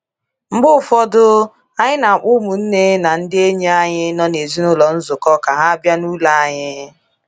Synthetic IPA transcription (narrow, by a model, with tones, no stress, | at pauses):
ŋ͡m̩˦ɡ͡bʊ˦˨fɔ˦dʊ˦ | a˦ɲɪ˦na˨a˨k͡pʊ˦mu˨n̩˦ne˦na˨n̩˦dɪ˦e˦ɲi˦a˦ɲɪ˦nɔ˦ne˨zi˦nʊ˦lɔ˨n̩˦zʊ˨kɔ˦ka˨ɦa˦bja˦nu˦la˦a˦ɲɪ˦